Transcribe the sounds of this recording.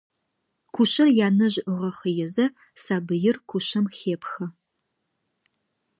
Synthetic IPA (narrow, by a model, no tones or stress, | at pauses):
kʷʰʊɕɐrjaːnɐʑʁɐχəjɛzɐ | saːbɨjɪrkʷʰʊɕɐmxeːpxɐ